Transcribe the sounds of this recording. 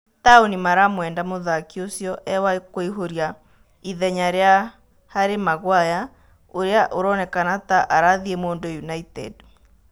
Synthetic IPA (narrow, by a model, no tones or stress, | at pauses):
taonimaɾamwɛːndamoðakiosjɔʔɛwakoiɦoɾja | iðɛɲaɾea | haɾemaɣwaja | oɾeaʔoɾɔnɛkanataʔaɾaðiemoːndojunaitɛ̰d